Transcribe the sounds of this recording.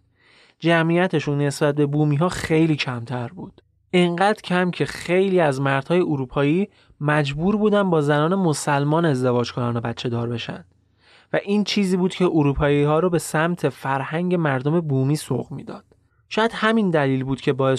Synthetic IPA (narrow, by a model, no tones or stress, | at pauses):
d͡ʒæmʔiːjæt̪ʰe̞ʃunːe̞sbæt̪̚be̞buːmiːɦɒːxe̞jliːcʰæmt̪ʰæɾbuːd̪̥ | ʔeŋɢæːd̪ɾcʰæmcʰe̞χe̞jliːæzmæɾd̪̥hɒːje̞oɾuːpʰɒːjiː | mæd͡ʒbuːɾbuːd̪ænd̪bɒːzænɒːne̞mosælmɒːne̞zd̪e̞vɒːd͡ʒkʰonɒːnobæt̪t͡ʃʰe̞d̪ɒːɾbe̞ʃæ̰nd̪̥ | væʔiːnt͡ʃʰiːziːbuːd̪cʰeʔoɾuːpʰɒːjihɒːɾobe̞sæmt̪ʰe̞fæɾhæŋɟe̞mæɾd̪ome̞buːmiːso̰ɣmḭːd̪ɒ̰ːd̪̥ | ʃɒːjæd̪̥hæmind̪æliːlbuːd̪̥̚cʰe̞bɒːje